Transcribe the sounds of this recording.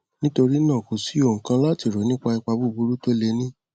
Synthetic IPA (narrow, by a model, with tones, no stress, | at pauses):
nĩ˦to˧ɾi˦nãː˦˨ko˨si˨˦o˦˨kã˧la˦ti˨ɾo˨˦nĩ˦k͡pa˧i˧k͡pa˧bu˦˨bu˨˧ɾu˦to˦le˧nĩ˦